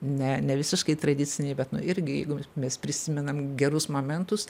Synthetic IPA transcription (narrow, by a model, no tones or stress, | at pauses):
nʲɛnʲɛʋʲɪsʲɪʃkɐɪt̪ɾɐd̪ʲɪt͡sʲɪnʲɛɪbʲɛt̪nʊɪɾʲɡʲɪjɛ̰ɪɡʊmʲɛspʲɾʲɪsʲɪmʲɛnɐmɡʲɛɾʊsmoːmʲɛnt̪ʊs